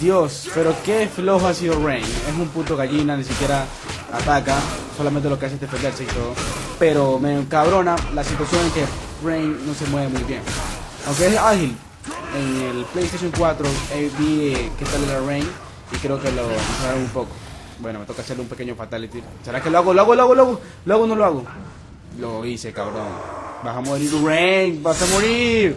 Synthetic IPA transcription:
d̪jospeɾokefloxoasiðorejnesumput̪oɣaʝinanis̬ikjeɾa | at̪akasolamẽnt̪̬elokeas̬esðefend̪eɾseit̪oðopeɾomekaβɾonalasit̪wasjo̞neŋke | rejnːosemweβemujβjeŋ | awŋk̬eesahil | eŋelplejest̪aʃjoŋkwat̪ɾoebieket̪alelarejn | ikɾeokelomesweβeumpoko̥ | bwenomet̪okaseɾlumpekeɲofat̪alit̪i | seɾakeloaɣoleɣoleɣoleɣo | lweɣonoloaɣo | loisekaβɾoŋbaɦamoβeɾiurenbasamoɾiɾ

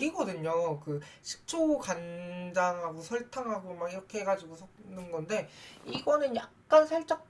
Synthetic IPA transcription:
ɾiɡʌdɯɲokɯɕʰi̥k̚t͡ɕ͈ʰokand͡ʑaŋɦaɡosʰʌɭtʰaŋɦaɡomaɡiɾʌkʰe̞ɦeɡad͡ʑiɡosʰʌnɯnɡʌnde̞iɡʌnɯnjak̚k͈ansʰʌɭt͡ɕ͈ak̚

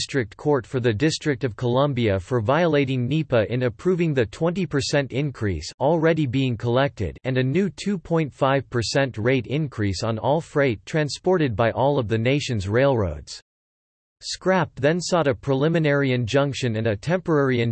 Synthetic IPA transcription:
stɹ̥ɨk̚tkʰɔɹtfə˞ðɨdɪstɹ̥ɨk̚tʌv̥kʰəlʌ̃mbiɨfə˞vaɪəleɪɾɪ̃ŋnipəʔɪ̃nɨpʰɹ̥uvɪ̃ŋðɨtʰw̥ɛ̃ntipʰə˞sɛ̃ntɪ̃nkʰɹ̥ḭsl̩ˠɹɛɾibiɪ̃ŋkʰəlɛk̚tɪ̰ɾɨ̃nɨnʉtʰʉpʰɔ̃ɪ̃ntfaɪv̥pʰə˞sɛ̃ntɹeɪɾɪ̃nkʰɹ̥isn̩ɔlˠfɹeɪttʰɹ̥æ̃nspɔɹɾɨd̚baɪʔɔlˠʌvðɨneɪʃɨ̃nzɹeɪlˠɹo̰ʊdz̥ | skɹæp̚ðɨ̃nsɔɾɨpʰɹ̥əlɪ̃mɨnɛɹiɨ̃nd͡ʒʌ̃ŋkʃɨ̃nɨ̃nɨtʰɛ̃mpə˞ɛɹiɨ̃n

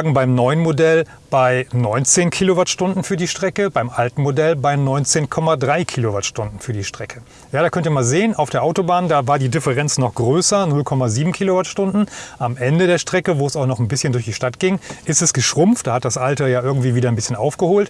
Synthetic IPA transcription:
ɡŋ̩baɪmnɔʏənmodɛl | b̥aɪnɔʏnt͡seːnkʰiːlovatʃtʊndn̩fyːɐdiːʃtʁ̥ɛkəbaɪmʔaltn̩modɛlbaɪnɔʏnt͡seːnkʰɔmadʁaɪkʰiːlovatʃtʊndn̩fyːɐdiːʃtʁ̥ɛkʰə | jaːɾaːkœntiːɐmaːlzeːənaʊfd̥eːɐʔaʊtobaːndaːvaːɐdiːdɪfɛʁɛnt͡snɔχɡ̥ʁøːsɐnʊlkʰɔmaziːbm̩kʰiːlovatʃtʊndn̩ʔamʔɛndədeːɐʃtʁ̥ɛkəvoːɛsaʊxnɔχnbɪsçəndʊɐçd̥iːʃtatɡ̥ɪŋʔɪstɛsɡ̥əʃʁ̥ʊmftd̥aːhat̚d̥asʔaltɐjaːʔɪɐɡŋ̩tv̥iːviːdɐanbɪsçənʔa̰ʊfɡ̥əhoːlt

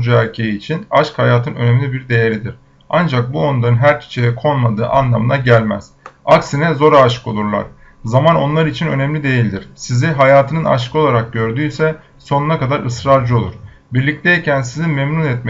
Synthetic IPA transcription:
d͡ʒuæɾcʰe̞jiːt͡ʃʰinaʃkhajaːt̪ʰɯnø̞nɛmlʲibiɾd̪e̞je̞ɾid̪iɾ̥ | and͡ʒak̚buonud̪ˠaɾɯnɦæɾc̪ʰi̥t͡ʃʰejɛkʰo̞nmad̪ɯːʔa̰nlˠamɯnaɟælʲmæz̥aksinɛzo̞ɾaːʃɯ̥ko̞lˠuɾlˠa̰ɾ̥ | zamano̞nlˠaɾit͡ʃʰinø̞nɛmlʲid̪e̞jilʲd̪iɾ̥siziɦajaːt̪ʰɯnɯna̰ʃkʰɯo̞lˠaɾak̚ɟø̞ɾd̪yːjsɛ | so̞nunakad̪aɾʔɯsɾaɾd͡ʒɯo̞lˠuɾ̥ | biɾlʲic̚t̪ʰɛjicʰænsizinmɛmnunɛt̪̚m

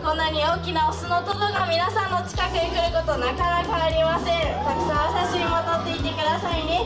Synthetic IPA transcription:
kõ̞nːaɲ̟io̞ːkʲinaosɨnot̪obɯɡamʲinasãnːo̞t͡ɕi̥kakɯ̟ɲʲikɯ̟ɾɯ̟ko̞t̪o̞nakaɾakaːɾʲimasẽɴt̪akɯ̟̥sãasaɕimʲimod̪ot̪ːe̞it̪e̞kɯ̟d̪asaine

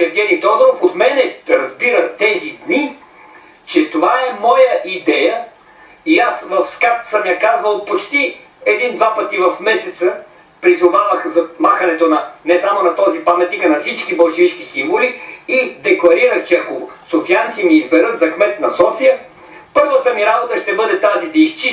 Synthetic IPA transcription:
sɛɾd̪ɛnit̪ɔd̪oɾofot̪mɛnɛɾɐzbiɾət̪ɛzid̪ni | t͡ʃɛt̪ovaɛmɔjəʔid̪ɛjə | iasvɐfskat̪səmjakazvəlˠpot͡ʃt̪i | ɛd̪ind̪vapət̪ivɐfmɛsɛt̪sə | pɾizʊvavəxzɐmaxɐnɛt̪onɐnɛsamonɐt̪ɔzipamɛt̪nikɐnɐfsit͡ʃkibɐlˠʃɛvit͡ʃk̟isiɱvoliːd̪ɛklˠɐɾiɾəxt͡ʃɛɐkosofijant̪simiːzbɛɾɤt̪zɐxmɛt̪nɐsɔfijə | pɤɾvət̪əmiɾabot̪əʃt̪ɛbɤd̪ɛt̪azid̪ɐist͡ʃi

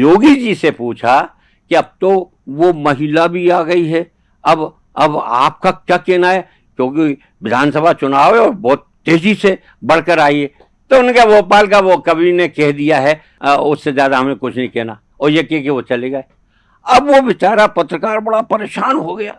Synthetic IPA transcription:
joːɡid͡ʒisepuːt͡ʃʰa | kiɐb̚t̪o | ʋomɐɦilabʱiaːɡɐiɦɛ | ɐb | ɐba̰ːp̚kakjaːkɛːnaɦɛ | kjõːki | ʋɪd̪ʱaːnsəbʱat͡ʃʊnaːʋɛɔːɾbɔːt̪ː | eːd͡ʒise | bɐɽ̤kəɾaːie | t̪oʊnkeʋoːpaːlkaʋokɐbʱinekɛɦd̪ijaɦɛ | ʊsːezjaːd̪aɦɐmẽkʊt͡ʃʰnɐɦĩkɛːna | ɔːɾjekɛkeʋot͡ʃɐleɡɐe | ɐbʋoʋɪt͡ʃaːɾapɐt̪ɾəkaːɾbɐɽapɐɾeːʃaːnɦoɡɐjaː

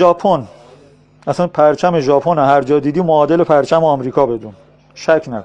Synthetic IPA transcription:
ʒɒːpʰon | æsænpʰæɾt͡ʃʰæmeʒɒːpʰonoɦæɾd͡ʒɒːd̪iːd̪iːmoɒːd̪e̞lepʰæɾt͡ʃʰæmeɒːmɾiːkʰɒːbe̞d̪uːn | ʃæcʰnæ̰d̪

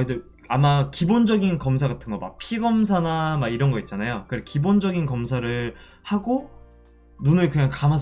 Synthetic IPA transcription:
idɯ | amakibond͡ʑʌɡinkʌmsʰaɡatʰɯnɡʌma̰k̚pʰiɡʌms̬ʰanamaɡiɾʌnɡʌit̚t͡ɕ͈anajokɯekibond͡ʑʌɡinkʌmsʰaɾɯɭ | haɡo | nunɯɭkɯɲaŋkamas

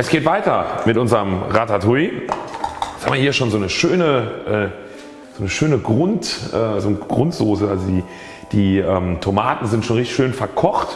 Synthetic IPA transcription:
ʔɛsɡ̥eːtv̥aɪtɐmɪtʔʊnzəʁəmʁatatʰui̥ | shaːmviɐhiːɐʃoːnzoːnəʃøːnəʔɛː | z̥oːnəʃøːnəɡʁʊntʔɛːzoːnəɡ̥ʁʊntz̥oːsəalzodiː | d̥iːʔɛːmtʰomaːtn̩zɪntʃoːnʁɪçtɪçʃøːnfɛɐkʰɔχt

